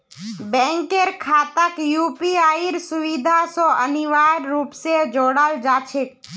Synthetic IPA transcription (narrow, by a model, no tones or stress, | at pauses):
bɛ̃ŋkeɾkʰat̪əkjuːpiaiɾsʊʋid̪ʱasoəniʋaɾːupsed͡ʒoːɽald͡ʒat͡ʃʰek